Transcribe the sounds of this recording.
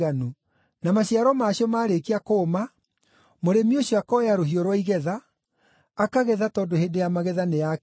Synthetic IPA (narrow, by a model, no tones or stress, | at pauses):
anu | namaɕaɾɔmaɕiɔmaːɾekiakoma | moɾemioɕɔakɔjaɾoɦioɾwaiɣɛðaː | kaɣɛðatɔːndohendejamaɣɛðaneja